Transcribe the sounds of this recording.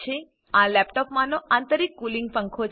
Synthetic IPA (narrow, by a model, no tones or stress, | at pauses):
e | ãlɛpʈɔpmãnoʔãnt̪əɾikːulĩŋɡ̚pə̃ŋkʰot͡ʃ